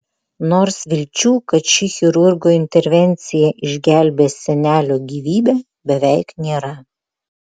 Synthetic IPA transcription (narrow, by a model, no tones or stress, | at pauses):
noːɾsʋʲɪlʲt͡ʃʲuːkɐt̪ʃʲɪxʲɪɾʊɾɡoːɪnʲt̪ʲɛɾʲʋʲɛnʲˑt̪sʲɪjɛʔɪʒʲɡʲæˑlʲbʲeːsʲɛnʲæːlʲoːɡʲiːʋʲiːbʲæː | bʲɛʋʲɛɪknʲeːɾɐ